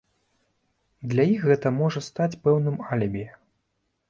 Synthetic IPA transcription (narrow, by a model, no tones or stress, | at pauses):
d̪lʲajixɣɛt̪ɐmɔʐɐst̪at͡sʲpɛwnɨmalʲɐbʲijɛ